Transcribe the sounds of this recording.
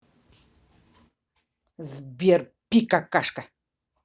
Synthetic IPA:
zbjeɾ | pikakaʃka

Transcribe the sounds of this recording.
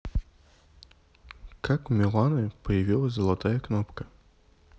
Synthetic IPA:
kʰakmʲɪlˠanɨpəjɪvʲilˠəsʲzəlˠɐt̪ajɐknopkə

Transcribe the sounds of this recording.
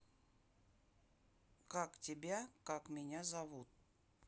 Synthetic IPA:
kaktʲɪbʲakakmʲɪnʲazɐvut̪̚

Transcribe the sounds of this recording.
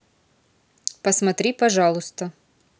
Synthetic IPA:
pəsmɐt̪ɾʲipɐʐɑlˠʊst̪ə

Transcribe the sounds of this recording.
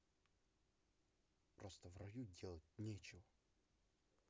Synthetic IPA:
pɾo̞st̪əvrɐjudʲe̞lˠət̚ʲnʲet͡ɕɪvə

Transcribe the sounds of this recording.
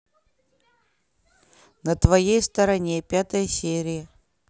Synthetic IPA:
nət̪vɐjejst̪əɾɐnʲepʲat̪əjəsʲeɾʲɪjə

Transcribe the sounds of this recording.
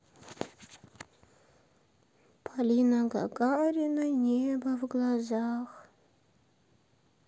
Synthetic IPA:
pʰalinaɡa̰kʼaɾinanʲebɐvɡlˠazax

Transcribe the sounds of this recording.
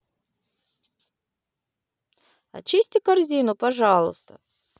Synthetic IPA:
ɐ̰t͡ɕisʲtʲɪkɐrzʲinʊpɐʐɑlˠʊ̰st̪ə̰

